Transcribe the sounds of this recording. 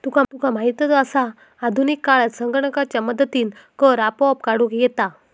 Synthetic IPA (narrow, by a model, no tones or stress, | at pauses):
t̪ukʰat̪ukʰamaɦit̪jət͡səsaː | d̪ʱunikːaɭat̪səŋɡəɳəkat͡ɕjaməd̪ət̪iːnkəɾapɔp̚kaɽukjɛt̪a